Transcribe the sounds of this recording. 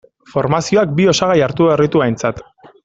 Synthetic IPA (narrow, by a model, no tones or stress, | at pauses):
fo̞ɾmasio̞ak̚bio̞saɣajaɾt̪uβerit̪uajnt͡sat̪